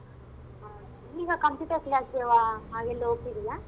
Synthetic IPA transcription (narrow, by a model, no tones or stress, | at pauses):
iːɡɐkɐmpuʈɐɾkljaːseʋaɦaːɡelːuopʈːid̪ijaː